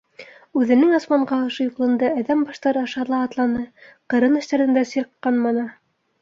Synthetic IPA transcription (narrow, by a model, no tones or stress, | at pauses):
ʉðɘ̆nɘŋɑsmɑɴɢɑŏʃɤ̆juqlˠɤ̆nd̪ɤæðæmbɑʃt̪ɑɾɤɑʃɑɾlˠɑːt̪lˠɑnɤqɤ̆ɾɤnɘ̆ʃt̪æɾɘ̆nd̪æsiɾqːɑnmɑnɤ